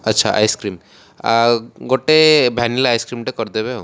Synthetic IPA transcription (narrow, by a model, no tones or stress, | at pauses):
ətːʃʰaʔa̰jskɾim | ɡoʈebʱɛnilaajskɾimʈekɔɾd̪ebeɦo